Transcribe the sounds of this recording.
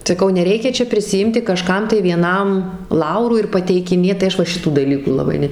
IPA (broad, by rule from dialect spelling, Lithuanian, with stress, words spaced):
sɐˈkɐʊ nʲɛˈrʲɛɪkʲɛ ˈt͡ʃʲɛ pʲrʲɪsʲɪˈɪmʲtʲɪ kɐˈʃkɐm tɐɪ ʋʲiɛˈnɐm ˈlˠɐʊruː ɪr pɐtʲɛɪkʲɪˈnʲeːt tɐɪ ˈɐʃ ʋɐ ˈʃʲɪtuː dɐˈlʲiːkuː lˠɐˈbɐɪ ˈnʲɛ